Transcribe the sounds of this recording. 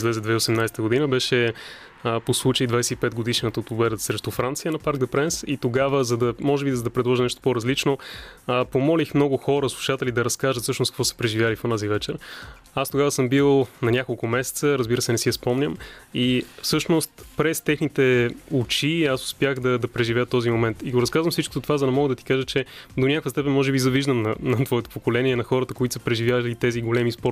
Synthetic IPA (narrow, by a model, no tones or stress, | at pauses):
izlɛzɛd̪vɛosɛmnajst̪əɡod̪inəbɛʃɛ | əposlˠut͡ʃəid̪vajsɛt̪ipɛt̪̚ɡod̪iʃnət̪əot̪pobɛd̪ət̪ə̥sɾɛʃt̪ɔfɾant̪sijənɐpaɾɡ̚d̪ɐpɾɛnsit̪oɡavəzɐd̪ɐmɔʒɛbizɐd̪ɐpɾɛd̪lˠɔʒinɛʃt̪o̥poɾɐzlit͡ʃno | pomɔlixmnɔɡʊxɔɾəslˠuʃat̪ɛlid̪ɐɾɐskaʒət̪sɤʃnʊskəkvɔsɛ̥pɾɛʒivjaliponazivɛt͡ʃɛɾ | ast̪oɡavəsɤmbilˠnɐnʲakolˠkʊmɛsɛ̥t̪səɾɐzbiɾəsɛnɛsiɐspɔmnʲəmifsɤʃnost̪pɾɛst̪ɛxnit̪ɛʊt͡ʃiasʊ̥spʲjaɣd̪ɐd̪ɐpɾɛʒivɛət̪ɔzimomɛnt̪iɡoɾɐskazvɐmfsit͡ʃko̥t̪ot̪ovazɐnɛmɔɡəd̪ɐt̪i̥kaʒət͡ʃɛd̪onʲjakvəst̪ɛpɛnmɔʒɛbizɐviʒd̪əmnɐnɐt̪vɔɛt̪o̥pokolɛniɛnɐxɔɾət̪əkoit̪sə̥pɾɛʒivʲjavlit̪ɛziɡolɛmispɔɾt